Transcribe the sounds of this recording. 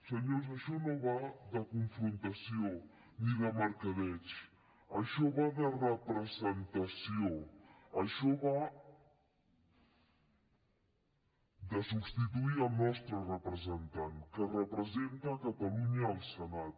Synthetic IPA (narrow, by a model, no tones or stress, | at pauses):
səɲoz̬ɐʃɔnõβaðəkuɱfɾunt̪asjo | niðamɐɾkɐðɛt͡ʃ | ɐʃɔβaðərəpɾəzent̪asjoɐʃɔβa | d̪əsubst̪it̪uiɾalnɔst̪ɾərəpɾəzənt̪ankərəpɾəzent̪akat̪aluɲaːlˠsənat̪